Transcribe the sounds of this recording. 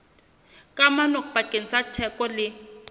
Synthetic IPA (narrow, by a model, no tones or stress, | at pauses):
kʼamanɔkub̥ʱakʼenisatʰɛkʼɔlɪ